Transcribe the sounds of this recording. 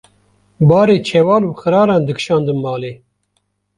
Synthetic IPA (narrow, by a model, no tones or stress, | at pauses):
bɑːɾeːt͡ʃʰɛwɑːluːxɨɾɑːɾɑːnd̪ɨkʃɑːnd̪ɨnmɑːleː